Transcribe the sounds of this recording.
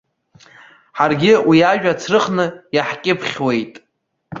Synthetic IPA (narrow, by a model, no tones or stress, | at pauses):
ħarɡʲɪwiaʒᶣat͡sʰrɨχnɨjaħkʲʼɪpʰχʲwe̞jtʼ